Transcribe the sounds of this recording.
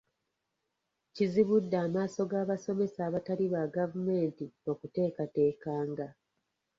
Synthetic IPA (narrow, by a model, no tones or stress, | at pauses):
ciziβudːaːmaːso̞ɡaːβaso̞me̞saːβataliβaɡavume̞ːntio̞kute̞ːkate̞ːkaːŋɡa